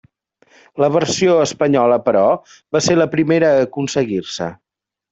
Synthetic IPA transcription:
ləβəɾsioəspəɲɔləpəɾɔ | βaseləpɾimeɾəːkunsəɣirsə̰

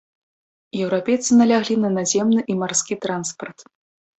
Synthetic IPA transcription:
jɛwɾapʲejt̪sɨnɐlʲaɣlʲinɐnazʲɛmnɨʔimarskʲit̪ɾanspɐrt̪

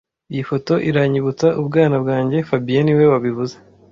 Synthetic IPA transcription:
ijifo̞to̞ʔiɾaɲiβut͡saʔubɡaːnabɡaːɲɟe̞fabijeniwe̞waβivuze

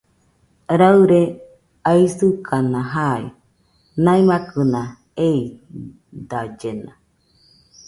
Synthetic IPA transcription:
ɾaɯɾe | aisɨkʰanãɦaḭ | naimakɨnã | ei | d̪ad͡ʒenã̰

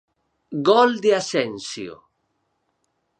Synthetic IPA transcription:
ɡɔld̪easɛnsjo̰

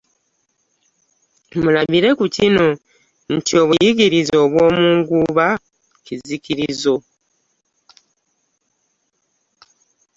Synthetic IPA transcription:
mulaβiɾe̞kucino̞ | n̩tio̞βujiɟiɾizo̞ːβwo̞ːmuːŋɡuβa | ciziciɾizo̞

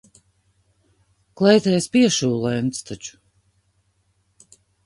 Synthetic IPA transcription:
klˠɛjt̪ɛjspiɛʃuːlˠɛjnt̪st̪at͡ʃu̥

